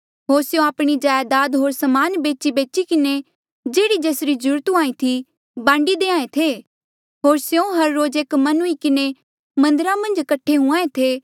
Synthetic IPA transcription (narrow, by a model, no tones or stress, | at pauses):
ɦoːɾsjõaːpɽ̃id͡ʒaːjd̪aːd̪ɦoːɾsɐmaːnbeːt͡ʃibeːt͡ʃikɪne | d͡ʒeːɽid͡ʒeːsɾid͡ʒʊɾt̪uaːĩt̪ʰi | bãːɳɖid̪eːãːẽt̪ʰe | ɦoːɾsjõɦɐɾːoːd͡ʒeːkmɐnʊikɪne | mɐ̃nd̪əɾãmɐ̃nd͡ʒkɐʈʰːeɦʊ̃ãːẽt̪ʰeː